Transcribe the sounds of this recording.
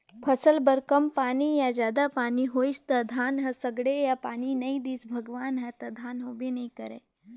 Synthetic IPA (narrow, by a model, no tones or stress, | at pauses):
pʰɐsəlbəɾkɐmpaːnijad͡ʒjaːd̪apaːniɦoːist̪ɐd̪ʱaːnɦɐsɐɡɽejapaːninɐĩd̪iːsbʱɐɡʋaːnɦɐt̪ɐd̪ʱaːnɦobʱinɐĩkɐɾḛː